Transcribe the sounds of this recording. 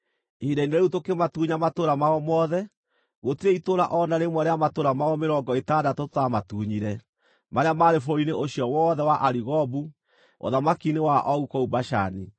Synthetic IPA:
edaineɾeɾutokematuɲamatoɾamaɔmɔːðɛ | ɣotiɾeitoɾa̰ʔɔnaɾemwaɾeamatoɾamaɔmeɾɔŋɡɔetadatotamatuɲiɾɛ | maɾeamaːɾefoineʔoɕiɔwɔːðɛwaʔaɾiɣɔbu | o̰ðamakinewaʔɔɣukɔubaʃa̰ni

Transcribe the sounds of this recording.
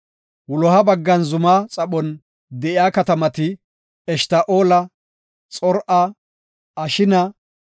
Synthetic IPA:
wʊlɔhɐbɐɡːɐnzʊmaːt͡sʼɐɓɔn | d̪ɛʔɪjaːkɐt̪ɐmɐt̪ɪ | ɛʃt̪aːʔoːlɐ | t͡sʼɔɾʔɐː | ʃɪnɐ

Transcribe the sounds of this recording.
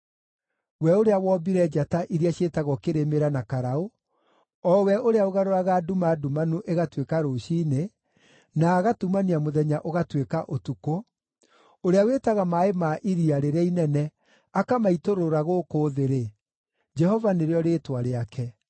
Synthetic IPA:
wɛoɾeawɔːbiɾɛd͡ʒataʔiɾiaɕetaɣɔkeɾemeɾanakaɾao | ɔwɛoɾeaoɣaɾoɾaɣadumadumanuʔeɣatwekaɾoʃiːne | naːɣatumaniamoðɛɲaʔoɣatwekaʔotuko | oɾeawetaɣamaemaʔiɾiaɾeɾainɛnɛ | akamaitoɾoɾaɣokoːðeɾe | d͡ʒɛɦɔvaneɾeɔɾetwaɾeakʰɛ

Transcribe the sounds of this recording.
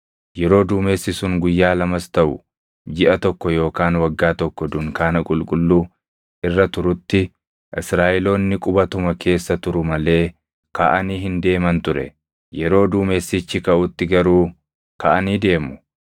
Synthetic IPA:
jɛɾo̞ːd̪uːme̞ːsːɪsʊŋɡʊjːaːlɐmɐst̪ɐʔʊ̰ | d͡ʒɪʔɐt̪ɔkːɔjo̞ːkaːnwɐɡːaːt̪ɔkːɔd̪ʊŋkaːnɐkʼʊlkʼʊlːuː | ʔɪrːɐt̪ʊɾʊt̪ːɪ | ʔɪsɾaːʔɛlo̞ːnːɪkʼʊbɐt̪ʊmɐkʰe̞ːsːɐt̪ʊɾʊmɐle̞ː | ka̰ʔɐniːɦɪnd̪e̞ːmɐnt̪ʊɾɛ̰ | jɛɾo̞ːd̪uːme̞ːsːɪt͡ʃːɪkɐʔʊt̪ːɪɡɐɾuː | kɐʔɐniːd̪e̞ːmʊ̥

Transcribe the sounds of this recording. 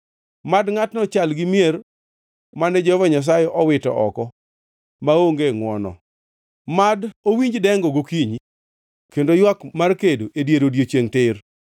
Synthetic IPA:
madŋatnɔt͡ʃalɡɪmjer | manɛd͡ʒɔvɔɲas̬ajɛʔɔwɪtɔ̰ʔɔ̰kɔ | maoŋɡeŋwɔnɔ̰ | madowiɲd͡ʒdɛŋɡɔɡokiɲi | kendojwakmarkedoʔedjeɾodjet͡ʃjeŋtɪr

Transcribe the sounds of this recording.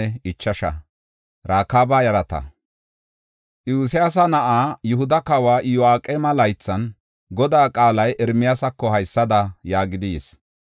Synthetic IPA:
ɛɪt͡ʃːɐʃɐ̰ | ɾaːkːaːbaːjɐɾɐt̪ɐ̰ | ʔjuːsɪjaːs̬ɐnɐʔaːjʊhʊd̪ɐkawaːʔɪjɔaːkʼːeːmɐlɐjt͡sːɐn | ɡɔd̪aːkʼaːlɐjʔɛɾmɪjaːsɐkːɔhɐjsːɐd̪ɐjaːɡɪd̪ɪjs

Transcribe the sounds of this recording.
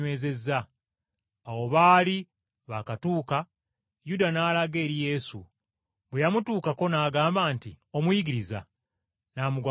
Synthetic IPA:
we̞ːze̞zːaː | wo̞βaːli | βakatuːka | judanaːlaɡe̞ːɾije̞ːsṵ | βwejamutuːkako̞naːɡaːmbaːntio̞mujiɡiɾiza̰ | naːmuɡwa

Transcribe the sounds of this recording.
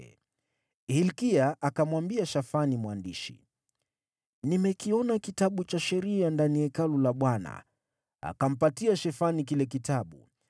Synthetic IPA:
hilkiaʔakamwambiaʃafanimwandiʃḭ | nimɛkiɔnakitaɓut͡ʃaʃɛɾiandaniɛkalulaɓwana̰ | a̰kam̩patiaʃɛfanik̬ilɛk̬itaɓu

